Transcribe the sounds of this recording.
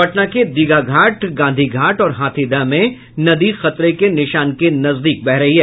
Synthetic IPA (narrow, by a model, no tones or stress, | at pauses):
ɐʈnaked̪iːɡaɡʱaːʈɡãːnd̪ʱiɡʱaːʈɔːɾɦaːt̪ʰid̪ãmẽ | nɐd̪ixɐt̪ɾekenɪʃaːnkenɐzd̪iːk̚bɛɦɾɐɦiɦɛː